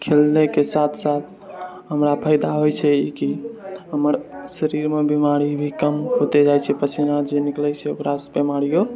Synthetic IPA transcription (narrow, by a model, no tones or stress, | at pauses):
kʰelnekesat̪ʰsat̪ʰ | ɦəmɾapʰəjd̪aɦojt͡ʃʰɛikiɦəməɾsəɾiɾmebimaɾibʱikəmɦot̪ed͡ʒajt͡ʃʰɛpət͡ʃʰinad͡ʒeniklɛt͡ʃʰɛəpɾasbemaɾijo